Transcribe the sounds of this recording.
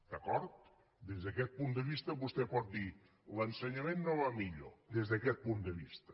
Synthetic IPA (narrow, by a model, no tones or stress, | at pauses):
d̪̥əkɔɾt̪ | d̪ezðəkɛt̪̚pund̪əβist̪əβust̪ɛpɔt̪̚d̪i | lənsəɲəmenːoβamiʎo̰d̪ezðəkɛt̪̚pund̪əβist̪ə